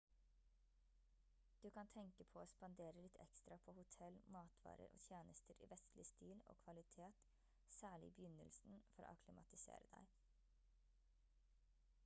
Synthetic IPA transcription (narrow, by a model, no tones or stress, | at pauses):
d̪̥ʉːkɑnt̪ʰɛŋkəpʰoːoːspɑnd̪eːɾəlɪt̪ʰɛ̰kst̪ɾɑpʰoːhʊt̪ʰɛlmɑːt̪ʰʋɑ̰ːɾə̰ɾʔo̰ːt̪ʰjeːnəst̪əɾḭːʋɛst̪lɪst̪iːlo̰ːkʰʋɑlɪt̪ʰeːt̪ | sæːɭɪːbəjʏnə̰lsn̩fɔɾo̰ːkʰlɪmɑt̪ɪsḛːɾəd̪æ̰ɪ